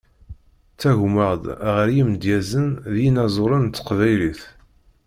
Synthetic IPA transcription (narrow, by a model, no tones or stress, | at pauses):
t͡sːæʝməʁd̪ʁəɾjimd̪jæzənðjinɑzˤʊɾˤənt̪ːə̥qvæjliθ